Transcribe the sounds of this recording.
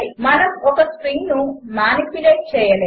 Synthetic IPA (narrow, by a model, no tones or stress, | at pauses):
imɐnɐmɔkɐspɾiŋɡnumaːnipuleːʈ̚t͡ʃɛːjɐleː